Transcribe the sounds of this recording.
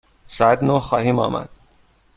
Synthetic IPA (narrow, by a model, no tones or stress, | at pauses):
sæːd̪noxɒːhiːmɒ̰ːmæ̰d̪̥